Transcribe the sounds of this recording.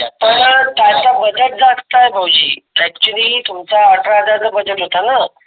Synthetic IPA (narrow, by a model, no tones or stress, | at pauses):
pəɳt̪jat͡sabəd͡zəʈ̚d͡zakt̪ajbʱəwd͡ʑḭːɛk̚t͡ɕəliːt̪umt͡saaʈɾad͡z̪ad͡zabəd͡zəʈɦot̪ana